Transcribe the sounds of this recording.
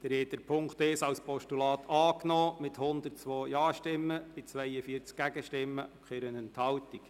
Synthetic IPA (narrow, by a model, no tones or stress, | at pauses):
d̪̥ɛɾhɛːt̚d̥̪əɾpʰʊŋkt̪ɛːsɑwspɔʃtulɑːt̪ʰɑːknɔːmɪt̪hʊnd̪ərtt͡sʋoːjɑːʃtɪmːəb̥ɪt͡sʋɛjəfiəɾt͡skːæɡəʃtɪmːəʊkʰχeɾənənt̪hɑwt̪ik